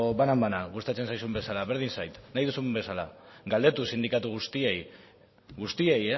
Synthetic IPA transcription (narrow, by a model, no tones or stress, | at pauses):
βanambanaɣust̪at͡se̞nsajsumbe̞salaβe̞ɾð̞insajt̪najðusumbe̞salaɡald̪e̞t̪usind̪ikat̪uɣ̞ust̪iej | ɣust̪ieje